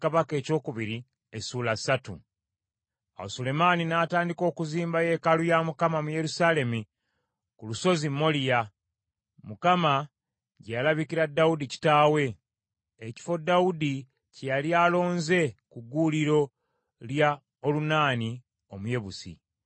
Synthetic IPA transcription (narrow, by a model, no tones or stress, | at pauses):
kaβake̞ːco̞ːkuβiɾi | esuːlasatṵ | a̰wo̰sule̞maninaːtaːndiko̞ːkuziːmbaje̞kalujamukamamuje̞ɾusale̞mi | kuluso̞zimːo̞lija | mukama | ɟejalaβikiɾadːaudici̥taːwe̞ː | ci̥fo̞daudi | cejalialo̞ːnze̞kuɡuːliɾo̞ | lja | olunaːni | omuje̞βusḭ